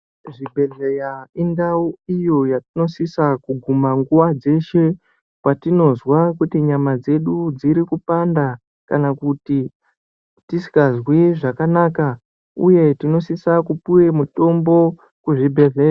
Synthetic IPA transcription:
ʐibʱe̞ɮejaindauijo̞jatino̞sisakuɡʱumaŋɡuʋad͡ze̞ʃe̞ | kwatino̞zwakutiɲamad͡ze̞ɗud͡ziɾikupanda | kanakuti | tisi̥kazwiʐakanaːka | ṵje̞tino̞sisakupuwe̞muto̞mbo̞ | kuʐibʱe̞ɮea

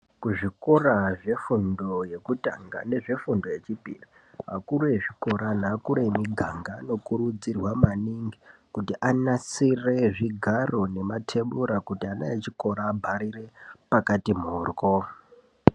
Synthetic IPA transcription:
kuʐiko̞raʐe̞fundo̞je̞kuta̰ŋɡa̰ne̞ʐe̞fundo̞je̞t͡ʃipḭri | ɦa̰kuɾeeʐiko̞ɾan̤aːkuɾemiɡʱaŋɡaːno̞kuɾud͡zirwamaniŋɡikutiʔanasire̞ʐiɡʱaro̞ne̞matʰe̞ɓuɾakutiana̰jet͡ʃiko̞ɾaːbʱaɾire̞pakatimuːrko

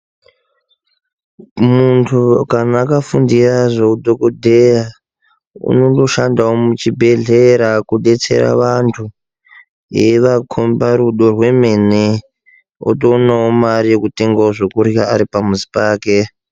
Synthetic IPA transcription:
muntʰukanaːkafundiraʐekudʱokodʱeja | ṵno̞do̞ʃandawomut͡ʃibʱe̞ɮeɾakuɗe̞t͡se̞̰ra̰ʋantʰu | jeʋakʰombaɾuɗo̞rwe̞me̞ne | o̰tonaomarijekute̞ŋɡaoʐokurijaːɾipamuzi̥paːke̞

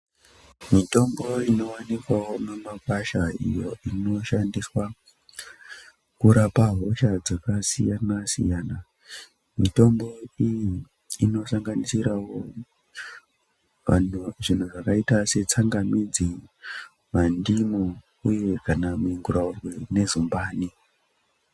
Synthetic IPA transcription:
mito̞mbo̞ino̞wanikwawomemakaʃaḭjo̞ino̞ʃandiswa | kuɾapaɦo̞ʃad͡zakasijanasḭjaːna | mito̞mbo̞ijiː | no̞saŋɡanisiɾawo̞ | anʐin̤uʐakaitase̞t͡saŋɡamid͡zi | mandimu | uje̞kanamiŋɡuɾaurwene̞zumbaːni

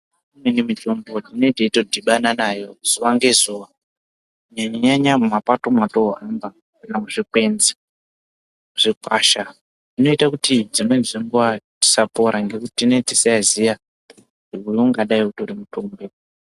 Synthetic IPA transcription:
imwenemitombotino̞iteitodʱiɓananajo̞z̥uʋaŋɡe̞zuʋa | ɲaɲaɲaɲamumapato̞mato̞ɦamba | kanamuʐikwe̞nze | ʐ̥ikwaʃa | nino̞itakutid͡zimwenziŋɡuwati̥sapo̞ɾaŋɡe̞kuttinetiseazija | uoŋɡaɗaikutoɾimutombe

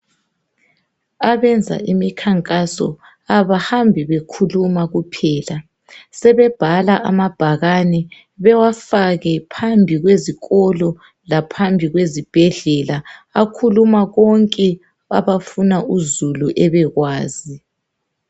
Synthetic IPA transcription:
aβɛnd͡zʱa̰ʔimikʰaŋkʼasɔ̰ | aβahambʱiβekʰulumaɣupʰɛːla | sɛβɛb̥ʱalaʔamab̥ʱaɣanɛ | βɛwafaɣɛpʰambʱiɣweziɣɔlɔ | lapʰambʱiɣwezib̥ʱɛɮɛlaakʰulumaɣɔŋkʼɛ | a̰βafunaʔuzuluʔɛβɛɣwaːzi

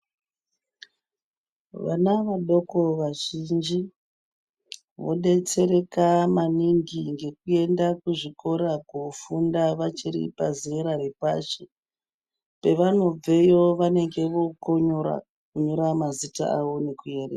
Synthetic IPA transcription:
ʋa̰naʋaɗo̞koʋaʒind͡ʒi | ʋo̞ɗe̞t͡se̞ɾe̞kamaniŋɡiŋɡe̞kue̞ndakuʐiko̞ɾakufundaʋat͡ʃiɾḭpaziiɾarepaʃe | pe̞ʋano̞b͡vejo̞ʋane̞ŋɡe̞ʋo̞ko̞ɲo̞ɾa̰ | kuɲo̞ɾamazita̰aʋo̞ne̞kuje̞rea

